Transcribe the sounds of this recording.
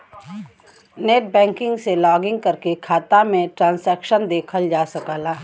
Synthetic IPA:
neːʈ̚bɛ̃ːŋkɪ̃ŋɡselɔːɡɪ̃ŋɡ̚kɐɾkekʰaːt̪amẽʈɾãːnsɛːkʃənd̪eːkʰəld͡ʒaːsɐkaːlaː

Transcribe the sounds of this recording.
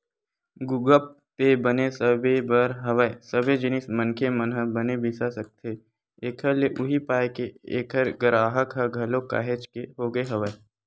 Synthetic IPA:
ɡʊɡəp̚ | pebɐnesəbebɐɾɦɐʋəesɐbed͡ʒɪnɪsmɐ̃nkʰemənɦəbɐnebɪsasɐk̚t̪ʰe | eːkʰəɾleʔʊɦipaːekeeːkʰəɾɡəɾaːɦəkɦəɡʱɐloka̰ːɦet͡ʃkeɦoɡəeɦɐʋəe

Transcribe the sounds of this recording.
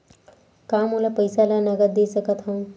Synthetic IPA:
kamulapəjsalanəɡət̪̚d̪esəkət̪ʰɦaw

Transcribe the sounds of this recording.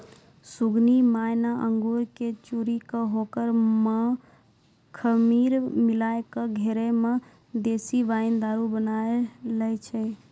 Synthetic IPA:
suɡnimajnaʔəŋɡoɾket͡ʃuɾikəɦokəɾme | kʰəmiɾmilajkəɡʱeɾeme | d̪esibaind̪aɾubənaeləjt͡ʃʰɛ

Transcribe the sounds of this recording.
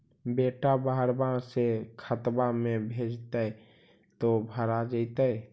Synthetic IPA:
beːʈabaɦəɾbãsekʰət̪bãmẽbʱeːd͡ʒt̪əɛ | t̪obʱəɾad͡ʒəit̪əj

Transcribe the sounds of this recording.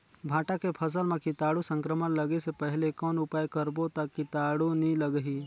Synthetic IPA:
bʱãːʈakepʰəs̬əlmẽkɪt̪aːɽusə̃ŋkɾəmənləɡesepɛɦɪlekɔːnʊpaːjkəɾbot̪akɪt̪aːɽunĩləɡɦiː

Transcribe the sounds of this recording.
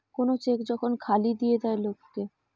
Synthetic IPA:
konot͡ɕekd͡ʑɔkʰonkʰalid̪ijed̪aelokːe

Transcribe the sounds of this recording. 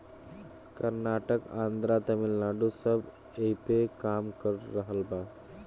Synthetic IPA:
kəɾnaʈəkã̰nd̪ɾat̪əmilnaɖusəb | epekamkəɾːəɦəlba

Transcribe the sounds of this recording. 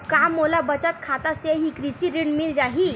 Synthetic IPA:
kamːolabət͡ʃat̪kʰat̪aseɦikɾisiɾiɳmild͡ʒaɦi

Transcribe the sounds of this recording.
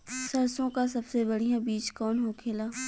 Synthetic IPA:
sɐɾsõkas̬ɐbsebɐɽ̤ijãbiːt͡ʃkɔːnɦoːkʰeːlaː

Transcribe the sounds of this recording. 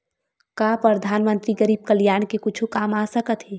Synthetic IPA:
kaːpɾəd̪ʱaːnmə̃nt̪ɾiɡəɾiːb̚kəljaːɳkekʊt͡ʃʰukaːmaːsəkət̪ɦeː

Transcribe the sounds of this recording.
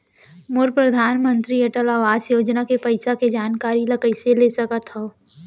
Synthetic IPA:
moɾpɾɐd̪ʱaːnmə̃nt̪ɾieʈəlaːʋaːzjoːd͡ʒnakepɐɪsaked͡ʒaːnkaːɾilɐkəɪselesɐkət̪ɦo

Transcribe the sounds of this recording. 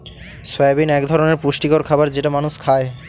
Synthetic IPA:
sojabinɛkd̪ʱɔɾoneɾpuʃʈikoɾkʰabaɾd͡ʑeʈamanuʃkʰae

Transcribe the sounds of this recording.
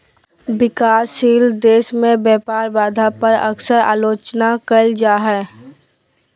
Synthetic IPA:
bɪkaːsiːld̪eːʃmẽbjɛːpaːɾbaːd̪ʱapəɾə̰ksəɾa̰ːloːt͡ʃnakəld͡ʒaːɦɛː

